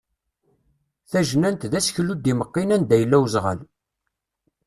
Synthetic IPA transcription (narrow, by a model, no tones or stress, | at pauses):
θæʒnænt̪ðæsçlud̪iməqːinænd̪æjəlːæwzʁə̰l